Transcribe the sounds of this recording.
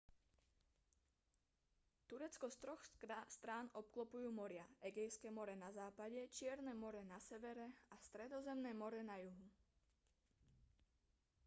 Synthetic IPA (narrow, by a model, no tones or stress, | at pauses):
t̪uɾɛt͡skɔst̪ɾɔxast̪ɾaːnɔp̚klɔpujuːmɔɾɪaɛɡɛjskɛmɔɾɛnazaːpaɟɛt͡ʃɪɛɾnɛmɔɾɛnasɛʋɛɾɛast̪ɾɛd̪ɔzɛmnɛːmɔɾɛnajuɦu